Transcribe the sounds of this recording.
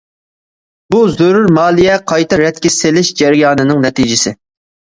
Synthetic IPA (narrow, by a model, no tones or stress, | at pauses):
buzøɾuɾmɑːlˠijɛqʰɑjt̪ɨɾɛt̪̚kʲɪsɪlɪʃd͡ʒɛɾɪjɑːnɨnɨŋnɛt̪ʰid͡ʒɪsɪ